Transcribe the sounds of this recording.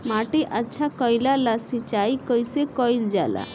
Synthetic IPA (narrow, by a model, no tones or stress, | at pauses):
maʈeʔatːʃʰakɔjlalasit͡ʃajkɔjsekɔjld͡ʒala̰